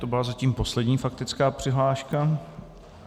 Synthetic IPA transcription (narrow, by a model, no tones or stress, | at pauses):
t̪o̞bɪlazaciːmpo̞slɛdɲiːfak̚t̪ɪt͡skaːpr̥ɪɦlaːʃka